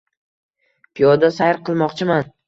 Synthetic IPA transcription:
pʰijɒd̪asajɾqʰɨlˠmɒqt͡ʃʰɪman

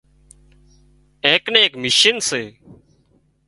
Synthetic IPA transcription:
ẽːknẽːkmɪʃɪnseː

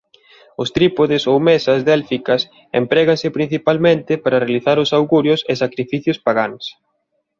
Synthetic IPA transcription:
ʊst̪ɾipoðɪsowmɛsɐzðelfikɐs | ḛmpɾɛɣɐnsɪpɾin̟θipalmẽnt̪ɪpaɾɐrealiθaɾʊsawɣuɾjʊsesakɾifiθjʊspaɣaŋs

